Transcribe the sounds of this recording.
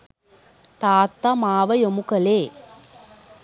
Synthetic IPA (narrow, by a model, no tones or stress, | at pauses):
t̪aːt̪ːɐmaːʋɐjomukɐleː